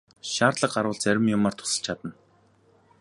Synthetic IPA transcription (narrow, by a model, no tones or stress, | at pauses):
ʃaːrt̪ɮə̆qɢaɾʊːɮt͡sæɾʲɪ̆mjʊmaːr̥t̪ʰʊ̥sə̆ɬt͡ɕʰat̪ə̆n